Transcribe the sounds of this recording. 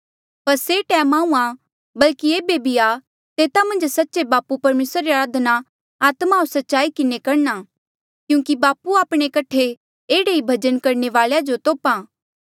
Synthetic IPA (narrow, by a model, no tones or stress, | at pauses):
pɐɾseʈɛːmãːũã | bɐlkieːbebʱia | t̪eːt̪amɐ̃nd͡ʒsɐtːʃebaːpupɐɾmeːsɾɾeaɾaːd̪ʱna | aːt̪maosɐtːʃaːikɪnekɐɾna | kjũːkibaːpuaːpɽ̃ekɐʈʰe | eːɽeibʱɐd͡ʒənkɐɾɳeʋaːljad͡ʒot̪oːpãː